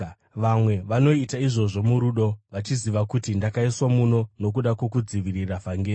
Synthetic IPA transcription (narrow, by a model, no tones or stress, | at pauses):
ʋamwe̞ʋano̞itaiʐo̞ʐo̞muɾuɗo̞ʋat͡ʃiziʋakutindakaiswamuno̞no̞k̬uɗakwo̞k̬ud͡ziʋiriravaŋɡeː